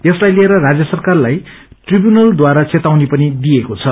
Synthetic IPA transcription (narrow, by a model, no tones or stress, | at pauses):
jʌslajlieɾʌrad͡zjʌsʌrkarlajʈribjunʌld̪waɾat͡set̪awnipʌnid̪iekot͡sʰʌ